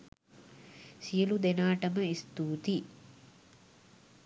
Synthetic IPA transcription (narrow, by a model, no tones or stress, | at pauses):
sijəlud̪enaːʈəməist̪uːt̪i